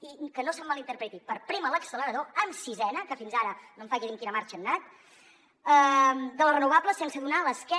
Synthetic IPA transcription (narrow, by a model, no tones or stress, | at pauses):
ikənosamːalˠint̪əɾpɾɛt̪ipəɾpɾimələksələɾəðoəmsizɛnəkəfinzaɾənomɱfaʒiðiŋkinəmaɾt͡ʃənːat̪ | əd̪ələrənuβ̞apləsensəðunaləskɛ